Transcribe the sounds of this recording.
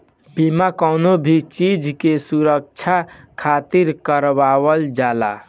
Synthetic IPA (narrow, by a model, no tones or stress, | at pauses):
bimakəwnobʱit͡ʃid͡ʒʱkesuɾək̚t͡ʃʰakʰat̪iɾkəɾbawəld͡ʒala̰